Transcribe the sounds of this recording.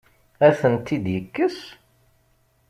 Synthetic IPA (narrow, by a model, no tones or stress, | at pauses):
æθənt̪ːid̪jəkːəs